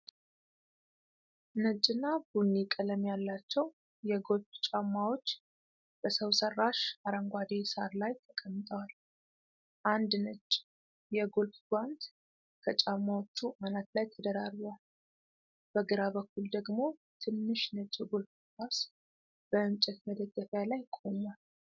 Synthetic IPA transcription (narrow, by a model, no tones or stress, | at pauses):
nət͡ʃʼːɪnːabunːikʼːələmjalːat͡ʃːɛw | jɛɡo̞lft͡ʃʼamːawo̞t͡ʃː | b̥əsəwsərːaʃaɾəŋɡʷad̪esaɾlajt̪ʰəkʼəmːɨt̪ʼəwal | ʔand̪nət͡ʃːʼ | jɛɡolfɡwand̪ | kʰət͡ʃʼamːawot͡ʃːuʔanat̪lajt̪ʰəd̪əɾaɾβwal | b̥əɡɨɾaβəkːuld̪əɡmo̞ | t̪ʰɨnːɨʃnət͡ʃʼːɛɡolf | kas | b̥əɨmt͡ʃʼɛt̪məd̪əɡːəfjalajkʼo̞mal